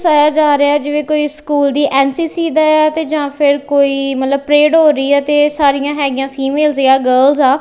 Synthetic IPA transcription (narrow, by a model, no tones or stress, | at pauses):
saːjaːd͡ʒaːɾeɛːd͡ʒeːʋẽːkoːiːskuːld̪iːʔɛːnsiːsiːd̪aːaːt̪eːd͡ʒãːpʰɪɾkoːiːmət̪ləbpɾeːɖɦoːɾəiːɛːt̪eːsaːɾɪjãːɦɛːɡɪjãːpʰiːmeːlzeaːɡəːlzaː